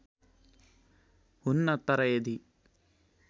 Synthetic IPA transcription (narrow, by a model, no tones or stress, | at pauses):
hunːɐt̪ːɐɾɐjɐd̪i